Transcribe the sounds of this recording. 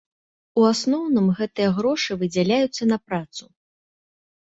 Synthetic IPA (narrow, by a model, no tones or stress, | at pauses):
uasnɔwnɨmɣɛt̪ɨjɐɣɾɔʂɨvɨd͡zʲalʲajut̪sːɐnɐpɾat̪su